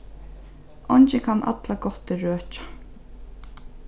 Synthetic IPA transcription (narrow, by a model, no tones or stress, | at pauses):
ɔɲt͡ʃɪkʰanʔa̰t̪laɡɔt̪ɪɹøːt͡ʃḁ